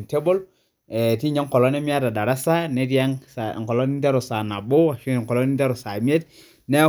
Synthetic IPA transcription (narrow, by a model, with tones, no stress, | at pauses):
nte˦bo˦l | ɛ˨ti˦ɲa˦ŋ˦kɔ˨lɔ˦ne˦mi˦a˦ta˨da˨ɾa˦sa˦ne˦ti˦a˦ŋsŋ˨kɔ˨lɔ˦ni˦n˦te˦ɾo˨sa˨na˨bo˦a˨ʃi˦˨ŋ˨kɔ˨lɔ˦ni˦n˦te˦ɾo˨sa˨mi˦e˦t | ne˦